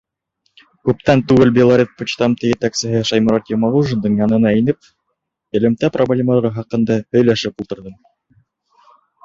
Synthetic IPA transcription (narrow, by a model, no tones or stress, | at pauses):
kʉp̚t̪ænt̪ʉɡɘlbʲelˠaɾʲet̪̚put͡ɕt̪ɑmt̪ɘjɘ̆t̪æksɘ̆ɦɘʃɑjmɑɾɑt̪jomalˠuʒə̆nd̪ɤɴjɑnɤ̆nɑinɘp̚ | ɘ̆lɘ̆mt̪æprʔoblʲemalʁɤχɑqɤ̆nd̪ɑhɵ̆jlæʃɘpulˠt̪ɤ̆ɾðɤm